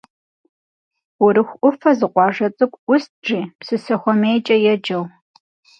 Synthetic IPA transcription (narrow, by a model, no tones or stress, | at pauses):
ʊɾɨxʷʔʷʊfɐzɨqʷʼɑːʐɐt͡sʼɨkʷʼʊst̚ʈ͡ʂiːpsɨsɐxʷɔmeːjt͡ʃʼɐjɛd͡ʒɐw